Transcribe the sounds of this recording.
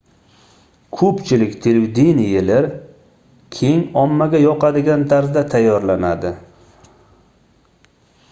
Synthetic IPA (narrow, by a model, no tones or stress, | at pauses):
kʰɵpt͡ʃʰɪlɪkʲt̪ʰeld̪inɪjelɪɾ | kʲʰe̞ŋɒmːaɡʲajɒqɑd̪ɪɡʲant̪ʰaɾzd̪at̪ʰajːɒɾlanad̪ɪ